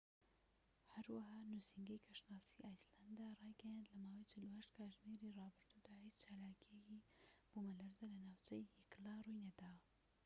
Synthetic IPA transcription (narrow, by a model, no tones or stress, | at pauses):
hɐɾwaɦaːnushiŋɡɐjkʰɐʃnaːsiːʔaːjsland̪arˤɑːjɡɐjand̪lɐmaːwɐjt͡ʃʰɪluhɐʃt̪kʰaːʒmiɾirɑːbɨɾd̪ud̪ahiːt͡ʃt͡ʃʰaːlaːkijekib̥umɐlɐɾzalɐnaːwt͡ʃʰɐjhiklarujnɐd̪aw